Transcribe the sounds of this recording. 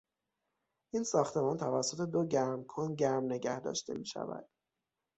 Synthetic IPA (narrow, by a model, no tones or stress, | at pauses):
ʔiːnsɒːxt̪ʰe̞mɒːnt̪ʰævæsːo̞t̪ʰe̞d̪oɟæɾmkʰonɟæɾmne̞ɟæhd̪ɒ̰ːʃt̪ʰe̞̰miːʃæ̰væ̰d̪̥